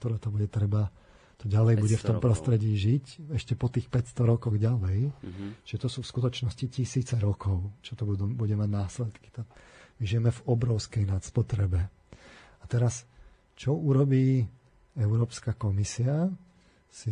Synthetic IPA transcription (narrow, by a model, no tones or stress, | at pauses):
t̪ɔɾat̪ɔbuɟɛt̪ɾɛba | t̪ɔɟalɛjbuɟɛft̪ɔmpɾɔst̪ɾɛɟiːʒicɛʃcɛpɔt̪iːxpɛcst̪ɔɾɔkɔɣɟalɛjʒ̥ɛt̪ɔsuːfskut̪ɔt͡ʃnɔscicisiːt͡sɛɾɔkʰɔʊt͡ʃɔt̪ɔbud̪ubuɟɛmaɟnaːslɛt̪ki̥t̪amiʒijɛmɛvɔbɾɔʊskɛjnat̪spɔt̪ɾɛbɛ | at̪ɛɾas | t͡ʃɔuɾɔbiː | ɛʊɾɔːpskakɔmisia | si